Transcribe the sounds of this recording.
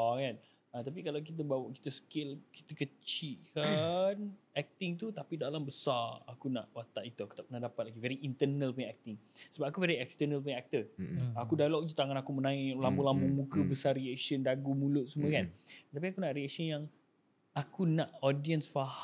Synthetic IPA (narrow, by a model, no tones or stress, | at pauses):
kan | at̪ap̬ikalak̬it̪̬əbawaʔki̥t̪əsə̥kelki̥t̪əkət͡ʃiʔkanɛk̚t̪ɪŋt̪̬ut̪apidalambəsaakuna̰ʔwat̪aʔit̪uaku̥t̪apunaʔdapat̪̚laɡivɛɾiʔint̪ənəlpuɲaɛk̚t̪ɪŋsəbap̚akuvɛɾiɛkst̪ənəlp̬uɲãɛk̚t̪əakudalɔk̚d͡ʒut̪aŋãnakumənãilambulambumũkəbəsariɛkʃəndaɡumũlʊt̪̚sumə̃kant̪ap̬iakunaʔɾiɛk̚sənjaŋ | akunaʔɔdiənsfa